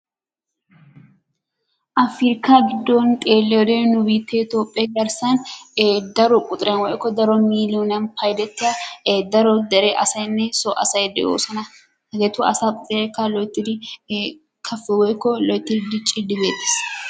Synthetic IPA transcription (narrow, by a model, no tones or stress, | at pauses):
ʔɐfɪɾkaɡɪd̪ːonk̪ʼeːlːɛɔd̪enʊbiːt̪ʰːɛɪt̪oːpʼːɛɡɐɾsɐnd̪ɐɾɔkʼʊt̪ʼɪɾɛnwɔʔkːɔd̪ɐɾɔmiːlonɐnpʰɐjd̪ɛt̪ːɪjɐd̪ɐɾɔd̪ɛɾɛʔɐsɐjnːɛsɔʔɐsɐjd̪ɛ̰jo̰ːsɔnɐ | ɐɡ̪ɛt̪ʊɐ̰saːkʼʊt̪ʼɪɾɛkːɐlɔjt̪ːɪd̪ɪ | kʰɐfːɛwɔkːɔlɔjt̪ːɪd̪d̪ɪt͡ʃʼɪd̪ɪbeːt̪ʼːe̥s